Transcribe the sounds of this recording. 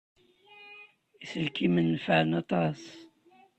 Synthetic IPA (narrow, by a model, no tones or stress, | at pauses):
isəlkimənːfəʕənɑt̪ˤɑsˤ